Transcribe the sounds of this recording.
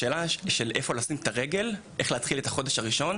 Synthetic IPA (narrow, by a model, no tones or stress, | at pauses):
eːlaʃe̞lʔefolasimet̪aʁeɡe̞lʔe̞χleat̪χile̞taχo̞deʃaʁiʃo̞n